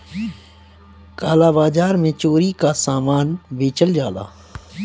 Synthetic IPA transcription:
kaːlaːbaːd͡ʒaːɾmẽt͡ʃoːɾikasaːmaːnbeːt͡ʃəld͡ʒaːla̰ː

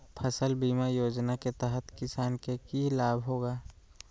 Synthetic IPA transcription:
pʰəsəlbiːmajoːd͡ʒnaket̪əɦət̪kɪsaːnkekilaːbʱɦoːɡaː

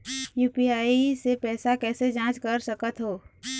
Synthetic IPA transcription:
juːpiaːisepɛːsakɛːsed͡ʒãːt͡ʃkɐɾsəkət̪ɦoː

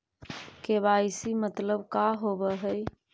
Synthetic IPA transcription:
kebajsimət̪ləbkaɦobəɦəj

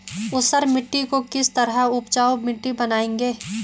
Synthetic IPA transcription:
ʊsəɾmɪʈːikokɪst̪ɐɾɦəʊpt͡ʃaːomɪʈːibɐnaːẽːŋɡeː

